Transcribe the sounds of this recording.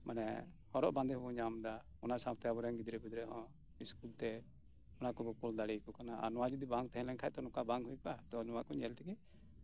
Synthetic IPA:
manɛ | hɔɾɔʔbãnd̪ɛɦɔbɔɲamd̪a | ɔnasam̚t̪ɛabɔɾɛŋɡid̪ɾɛbid̪ɾɛɔ̃ | iskult̪ɛ | ɔnakɔbɔkuld̪aɽikɔkanaa̰ɾnɔwad͡ʒud̪ibãŋɡ̚t̪ɛɦɛ̃lɛnkʰaɛʔ̚t̪ɔnɔ̃kabãŋɡɦujkɔat̪ɔnɔwakɔɲɛlt̪ʰɛɡɛ

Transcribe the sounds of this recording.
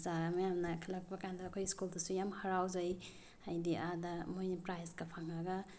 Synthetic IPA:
zaɡamajamnakʰilak̚bakandaːkʰojskuldɐsujamhɐɾawzaj | ajdiʔadamojnipɾajzɡapʰaŋːaɡa

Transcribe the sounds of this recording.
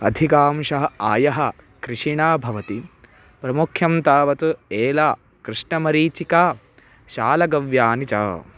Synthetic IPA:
ɐd̪ʱikaːmʃɐɦɐaːjɐɦɐ | kɾiʃiɳaːbʱɐʋɐt̪i | pɾɐmukʰjɐmt̪aːʋɐt̪ueːlaː | kɾɨʂɳɐmɐɾiːt͡ʃikaː | ʃaːlɐɡɐʋjaːnit͡ʃa̰ː

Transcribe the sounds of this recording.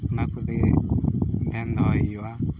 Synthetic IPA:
unakuðḛ | ndɛnd̪ɔiwa

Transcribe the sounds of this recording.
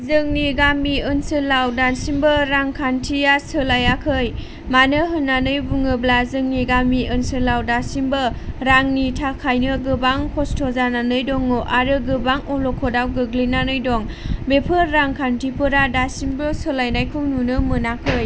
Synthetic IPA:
zɯŋniɡamiɯnsɯlawdansimbɯɾaŋkʰantʰijasɯlajakʰɯj | manɯɦɯnːanɯjbuŋɯblazɯŋniɡamiʔɯnsɯlawdasimbɯɾaŋnitʰakʰajnɯɡɯbaŋkʰɔstʰɔzananɯjdɔŋːoʔaɾɯɡɯbaŋɔlɔkʰɔdawɡɯɡlinanɯjdɔŋ | bepʰɯːaŋkʰantʰipʰɯɾadasimbɯsɯlajnajkʰɯŋnunɯmɯnakʰɯj

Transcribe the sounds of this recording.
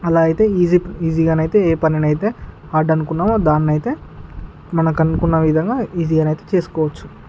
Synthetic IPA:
ɐlaːit̪e̞ːiːziiːziːɡaːnɐjt̪e̞ːeːpɐninɐjit̪e̞ː | aːɖɐnukunːaːʋoːd̪aːnːɐjt̪e̞ː | mɐnɐkɐnukunːɐʋid̪ʱɐŋɡaːiːziːɡaːnɐjt̪e̞ːt͡ʃe̞ːsu̥kɔːʋɐt͡ʃːu̥

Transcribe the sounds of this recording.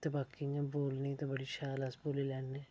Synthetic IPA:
t̪ebaːkiɲãːboːlniːt̪ẽːbəɽiːʃaːləsboːleːlɛːnẽː

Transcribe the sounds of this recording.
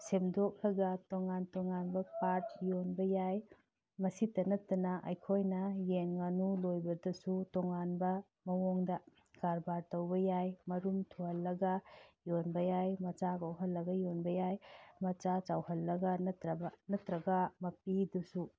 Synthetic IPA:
semdok̚lɐɡɐtɔŋantɔŋanbɐpaɾt̚jonbɐjaj | mɐsitɐnɐtːɐnɐʔɐjkʰojnɐjenŋanulojbɐdɐsutɔŋanbɐ | mɐwɔŋdɐ | kaɾbaɾtɐwbɐjajmɐɾumtʰuhɐlːɐɡɐjonbɐjajmɐt͡ʃaɡawɦɐlːɐɡɐjonbɐjajmɐt͡ʃat͡ʃawhɐlːɐɡɐnɐtɾɐbɐnɐtɾɐɡɐmɐpidusu

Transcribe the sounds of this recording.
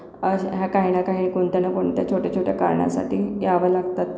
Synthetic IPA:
əɦjakaɦinakaɦiɳikoɳt̪janakoɳt̪jat͡ɕʰoʈjat͡ɕʰoʈjaka̰ɾɳa̰sa̰ʈiːjaʋəlaɡt̪at̪

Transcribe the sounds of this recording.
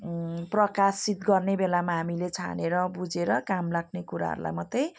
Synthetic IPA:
prʌkasit̪ɡʌrnebelamaɦamilet͡sʰa̰neɾʌbud͡zeɾʌkamlaɡ̚nekuɾa̰ɦɾula̰jmʌt̪ːej

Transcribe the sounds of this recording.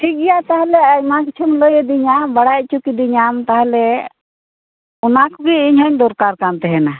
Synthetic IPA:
ʈʰik̚ijat̪aɦalɛajmakit͡ʃʰumləjɛd̪iɲabaɽac̚t͡ʃukid̪iɲamt̪aɦalɛ | ɔnakɔɡiiɲɦɔɲd̪ɔɾkaɾkamt̪ɛɦɛna

